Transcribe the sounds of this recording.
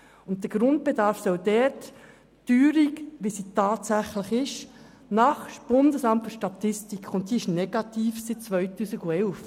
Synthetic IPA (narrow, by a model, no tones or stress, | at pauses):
ʊnt̚d̥̪əɡ̥ɾʊnt̚b̥edɑɾfsɔʊdɛɾt | tyːɾikʋisitɑːtsæχləχɪʃ | nɑχʃb̥ʊndəsɑmtfəɾʃtɑt̪ɪstikχʊnt̚d̥iːɪʃneɡɑtiːfsɪt̚t͡sʋœʏtuːsiɡuɛlf